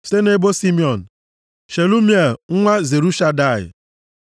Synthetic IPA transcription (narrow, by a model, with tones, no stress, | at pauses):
ste˦ne˦bo˦si˦mi˨ɔ˨n̩˨ | ʃe˨lu˦mje˦˨lŋ̩˦ŋʷa˦ze˨ɾu˦ʃa˦da˦˨ɪ̰˨